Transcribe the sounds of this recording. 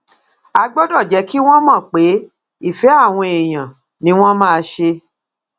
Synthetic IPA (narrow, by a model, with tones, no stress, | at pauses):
a˧ɡ͡bɔ˦dɔ˦˨d͡ʒɛ˨˦ki˦w̃ɔ̃˦mãː˦˨k͡pe˨˦ | i˦˨fɛ˨˦a˦˨w̃ɔ̃˧e˨j̃ã˨ | nĩ˧˦w̃ɔ̃˦mã˦˧ʃe˧